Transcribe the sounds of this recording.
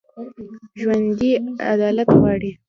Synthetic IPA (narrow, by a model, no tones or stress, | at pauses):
ʒwand̪ia̰d̪ɑlat̪ɣwɑɽi